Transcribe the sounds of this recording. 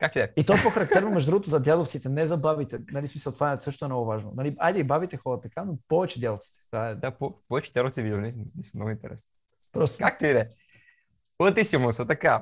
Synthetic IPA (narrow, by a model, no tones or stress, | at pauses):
kak̚t̪id̪ɛit̪ɔɛpɔxɐɾɐk̚t̪ɛɾnomɛʒd̪od̪ɾuɡot̪ozɐd̪ʲjad̪oft̪sit̪ɛnɛzɐbabit̪ɛnɐlismisəlˠt̪ovaɛsɤʃt̪oɛnɔɡʊvaʒno̰nɐliajd̪ɐibabit̪ɛxɔɾət̪ɐkanopɔvɛt͡ʃɛd̪jad̪oft̪si̥t̪ɛ̥t̪ovaɛd̪apɔpɔvɛt͡ʃɛd̪jad̪oft̪sivid̪ʲininisəmnɔɡʊint̪ɛ̰ɾɛ̰sno | pɾɔst̪o̥kak̚t̪oid̪ɛ | lˠɐt̪isimosɐt̪ɐka